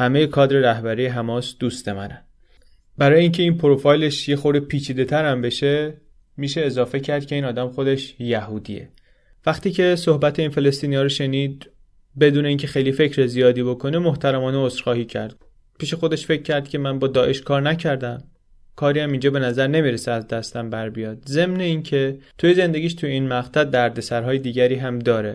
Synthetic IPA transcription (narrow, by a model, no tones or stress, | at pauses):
hæme̞jekʰɒːd̪ɾeɾæhbæɾiːjeɦæmɒːsd̪̥uːst̪e̞mænæn | bæɾɒːjeiːncʰe̞iːnpʰoɾofɒːjle̞ʃjexo̞ɾd̪epʰiːt͡ʃʰiːd̪e̞t̪ʰæɾæmbe̞ʃe̞ | miːʃe̞ːzɒːfe̞cʰæɾd̪̥̚kcʰe̞iːnɒːd̪æmxo̞d̪e̞ʃjæhuːd̪ḭje̞̰ | væxt̪iːcʰe̞sohbæt̪ʰeinfe̞le̞st̪iːniɒːɾoʃe̞niːd̪̚ | be̞d̪uːne̞iːncʰe̞xe̞jlife̞cʰɾezijɒːd̪iːbo̞kʰo̞nemoht̪ʰæɾæmɒːneosɾxɒːhiːcʰæ̰ɾd̪̚ | pʰiːʃe̞xo̞d̪e̞ʃfe̞cʰːæɾd̪̥̚cʰe̞mænbɒːd̪ɒːʔe̞ʃkʰɒːɾnæcʰæɾd̪æm | kʰɒːɾiːæmind͡ʒɒːbe̞næzæɾne̞miːɾeseæzd̪æst̪æmbæɾbijɒːd̪̥ze̞mne̞incʰe̞t̪ʰujeze̞nd̪e̞ɟʲiːʃt̪ʰujeiːnmæʁt̪ʰæd̪̚ːæɾd̪e̞sæɾɦɒːjed̪iːɟæɾiːɦæmd̪ɒːɾe̞